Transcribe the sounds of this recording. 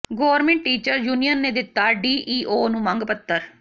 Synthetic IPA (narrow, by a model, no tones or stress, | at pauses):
ɡoːəɾmẽːɳʈʈiːt͡ʃəɾjuːnijənːeːd̪ɪt̪ːaːɖiːʔiːʔoːnũːmə̃ŋɡpət̪ːəɾ